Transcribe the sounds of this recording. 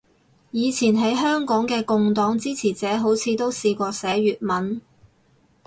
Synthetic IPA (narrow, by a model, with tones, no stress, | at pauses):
jiː˨˧t͡sʰiː˨˩nɦɐ˨˥jɦœː˥ŋkɔː˨˥ŋkɛː˧kʊ˨˧ŋt̪ɔː˨˥ŋt͡siː˥t͡sʰiː˨˩t͡sɛː˨˥ɦo˨˥wt͡sʰiː˨˧t̪o˥wsiː˧kʷɔː˧sɛː˨˥ɥyː˨t̚mɐ˨˥n